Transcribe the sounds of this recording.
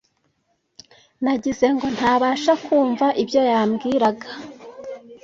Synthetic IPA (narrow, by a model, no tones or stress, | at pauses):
naɟize̞ŋɡo̞n̥haːβaːʃakʰuːɱvaʔibjo̞jaːmɡiːɾaɡḁ